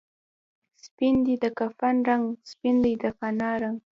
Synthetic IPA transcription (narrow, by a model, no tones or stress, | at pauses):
spind̪id̪əkafanɾaŋɡspind̪əjd̪əkanɑɾaŋɡ